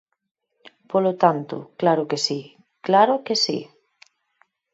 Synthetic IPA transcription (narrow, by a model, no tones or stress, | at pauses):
polot̪ant̪ʊ̰klaɾʊkesi | klaɾʊkesḭ